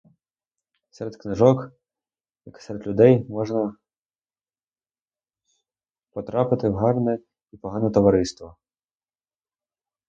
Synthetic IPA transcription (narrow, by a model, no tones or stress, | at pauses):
sɛɾed̪knɪʒɔk | jɐksɛɾed̪ʲlʲʊd̪ɛjmɔʒnɐ | pɔt̪ɾɑpɪt̪ɪwɦɑrnɛ | ipɔɦɑnɛt̪ɔʋɐɾɪst̪ʋɔ